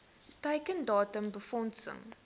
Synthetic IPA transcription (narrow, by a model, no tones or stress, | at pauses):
tɛjkəndɑːtəmbəfɔntsə̰ŋ